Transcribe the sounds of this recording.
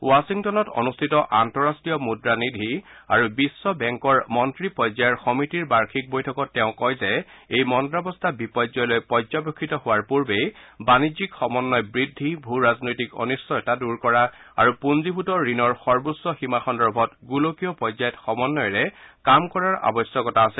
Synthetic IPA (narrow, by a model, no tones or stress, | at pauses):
wasiŋtɔnɔtɔ̰nustʰitɔʔantɔɹastɹijɔmudɹanidʱiaɹubisːɔbɛŋkɔɹmɔntɹipɔjzajɛɹxɔmitiɹbaɹkʰik̚bojtʰɔkɔtːɛʊ̃kɔjzɛejmɔntɹabɔstʰabipɔjzɔjlojpɔzɔbokʰːitɔhʊwaɹpuɹbejbanizikxɔmɔnːɔjbɹidʱːibʱuɹaznojtikɔ̰nisːɔtaduɹkɔɹa | aɹupunzibʱutɔɹinɔɹxɔɹbusːɔximaxɔndɔɹbʱɔtɡulokijɔpɔzajɔtxɔmɔnːɔjɹɛkamkɔɹaɹa̰bɔsjɔkɔtaasɛ